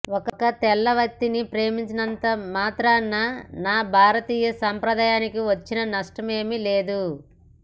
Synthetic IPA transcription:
ɔkɐkɐt̪ɛlːɐʋɐk̚t̪ːinipɾe̞ːmiɲt͡ʃɐnɐnt̪ɐmaːt̪ɾɐnːɐnaːbʱaːɾɐt̪iːjɐsaːmpɾɐd̪aːjaːnikiʋɐt͡ʃːinɐnɐʂʈɐme̞ːmileːd̪u

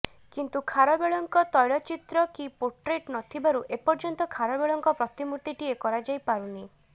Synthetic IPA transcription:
kint̪ukʰaɾɔbeɭɔŋkɔt̪ɔjɭɔt͡ʃit̪ɾɔkipoʈɾeʈnɔt̪ʰibaɾuʔepɔɾd͡ʒɔnt̪ɔkʰaɾɔbeɭɔŋkɔpɾɔt̪imuɾt̪iʈiekɔɾad͡ʒajpaɾuni

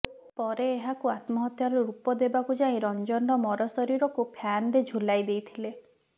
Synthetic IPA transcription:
pɔɾeːɦakuat̪mɔɦɔt̪jaɾɔɾeɾupɔd̪ebakud͡ʒaĩɾɔnd͡ʒɔnɖɔmɔɾɔsɔɾiɾɔkupʰjanɾed͡ʒʱulajd̪ejt̪ʰile

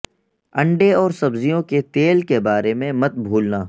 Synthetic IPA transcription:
ɐ̃ɳɖeɔːɾsɐbzijõket̪eːlkebaːɾemẽmɐt̪̚bʱuːlnaː

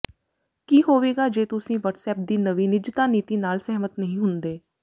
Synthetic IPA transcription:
kiːɦoːʋeːɡaːd͡ʒeːt̪ʊsĩːʋəʈsɛːp̚d̪iːnəʋiːnɪd͡ʒt̪aːniːt̪iːnaːlsɛɦmət̪nəɦĩːɦʊnd̪eː

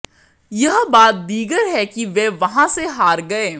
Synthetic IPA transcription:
jɐɦbaːt̪̚d̪iːɡəɾɦɛkiʋɛʋɐɦãseɦaːɾɡɐeː

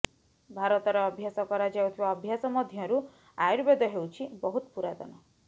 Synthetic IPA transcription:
bʱaɾɔt̪ɔɾɔːbʱjasɔkɔɾad͡ʒawt̪ʰibaɔbʱjasɔmɔd̪ʱjɔɾu | ajuɾbed̪ɔɦewt͡ʃʰibɔɦut̪ɔpuɾad̪ɔ̰nɔ

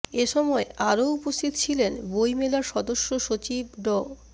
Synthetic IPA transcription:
eʃɔmɔeʔaɾoupost̪ʰit̪ot͡ɕʰilenbojmelaɾʃɔd̪oʃːoʃot͡ɕibɖɔ

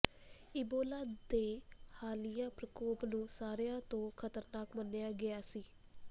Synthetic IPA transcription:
ɪboːlaːd̪eːhaːlɪjãːpɾəkoːpnũːsaːɾjãːt̪õːkʰət̪əɾnaːkmənːejaːɡɪaːsiː

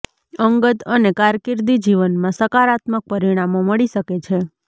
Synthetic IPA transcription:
əŋɡət̪ənekaɾkiɾd̪id͡ʒiʋənmãsəkaɾat̪mək̚pəɾiɽ̃amoməɭiʃəket͡ʃʰe

